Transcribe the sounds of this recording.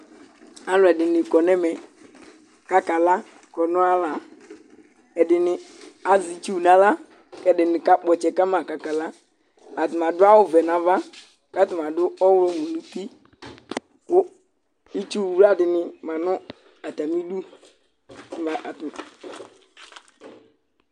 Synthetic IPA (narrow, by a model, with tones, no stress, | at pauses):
a˦lʊ˨ɛ˨dɪ˨nɪ˨kɔ˨nɛ˦mɛ˨ | ka˦ka˨la˦ | kɔ˨nɔ̃˦a˦la˨ | ɛ˨dɪ˨nɪ˨ | a˨zi˨t͡ʃu˦˨na˦la˦ | kɛ˨dɪ˨nɪ˨ka˦k͡pɔ˨t͡ʃɛ˨ka˦ma˨ka˨ka˨la˦ | a˨tɪ˨ma˨dʊ˦a˦wʊ˨vɛ˨na˨va˦ | ka˦tɪ˨ma˨dʊ˦ɔ˦wʊ˦ɾɔ˦mu˨nu˨pi˦ | kʊ˦ | i˦t͡ʃu˦˨wu˦ɾa˦dɪ˨nɪ˨ma˨nɔ˦ | a˨ta˨mi˦du˦˨ | a˨ʔt